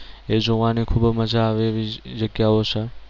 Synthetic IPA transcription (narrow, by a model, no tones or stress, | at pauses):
ed͡ʒoʋanikʰubməd͡ʒaːʋeʋid͡ʒəɡjaot͡ʃʰe